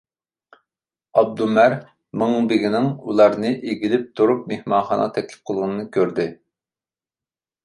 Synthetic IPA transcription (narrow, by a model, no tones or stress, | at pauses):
ɑb̚d̪umæɾ | mɨŋbɪɡʲinɪŋulˠɑɾnɨʔeɡʲilɪp̚t̪ʰuɾup̚mehmɑnχɑnɑ̰t̪ʰɛkʲlɪ̥p̚qʰəlˠʁʊnɨnɨkʲʰøɾd̪ɪ